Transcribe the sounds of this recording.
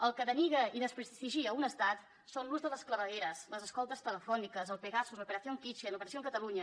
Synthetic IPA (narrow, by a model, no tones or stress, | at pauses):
əlˠkəðəniɣəiðəspɾət̪iʒiəunəst̪at̪ | sonluzðələskləβəɣeɾəsləzəskɔlˠt̪əst̪ələfɔnikəzəlˠpəɣasuzləpəɾəθioŋkit͡ʃeənlupəɾəsioəŋkət̪əluɲə